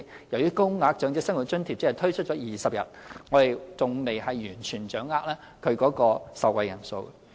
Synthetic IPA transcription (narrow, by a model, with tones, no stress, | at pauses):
jɐ˨˩wjyː˨˥kʊ˥ŋŋaː˧˥k̚t͡ʃœː˨˥ŋt͡sɪ˥ksɐ˥ŋwu˨t̚t͡ʃɵ˥nt̪ʰi˨t͡sːɐ˨t̪ʰɵ˥t͡ʃʰɵ˥t̚t͡ʃɔː˨˥jiː˨˩sɐ˨p̚jɐ̰˨˩t̚ŋɔː˨˧t̪e˨jt͡sʊ˨ŋme˨jhɐ˨jːyː˨˩nt͡ʃʰyː˨˩nt͡ʃœː˨˥ŋːaː˧˥k̚lɛː˥ | kʰɵ˨˧ɥkɔː˨˥kɔː˧sɐ˨w̚wɐ˨jɐ˨˩nso̰˧w